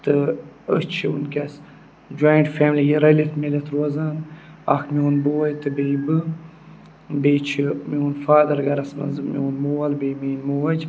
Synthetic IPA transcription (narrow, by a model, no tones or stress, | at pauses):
t̪ɨə̰t͡ʃʰiṵnkɐs | d͡ʒojɳʈfeːmlijiɾɐlit̪melɐt̪ɾuɐzanɐ̰kmionboːwɐjt̪ɨbejbɨ | beːt͡ʃʰimiunfaːd̪ɐɾɡɐɾɐsmɐ̰nzɨmionmuwɐlbejmeːnmuwɐd͡ʒ